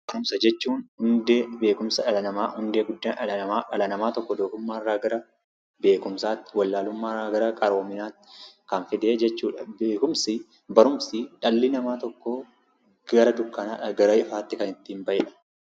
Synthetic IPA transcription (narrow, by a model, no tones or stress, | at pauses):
bɐɾʊmsɐd͡ʒɛt͡ʃːuːnhʊnd̪eːbe̞ːkʊmsɐᶑɐlɐnɐmaːhʊnd̪e̞ːɡʊd̪ːaːɐɐɐmaːᶑɐlɐnɐmaːt̪ɔkːɔd̪oːkʊmːaːɪrːaːɡɐɾɐ | be̞ːkʊmsaːt̪ːɪwɐlːaːlʊmːaːrːaːɡɐɾɐkʼɐɾo̞ːmɪnaːt̪ːɪ̥kɐnfɪd̪e̞ːd͡ʒɛt͡ʃːuːᶑɐbeːkʊmsɪ | bɐɾʊmsɪᶑɐlːɪnɐmaːt̪ɔkːoː | ɡɐɾɐd̪ʊkːɐnaːɐɡɐɾɐʔɪfaːt̪ːɪkɐnɪt̪ːiːmbɐʔɪᶑɐ̥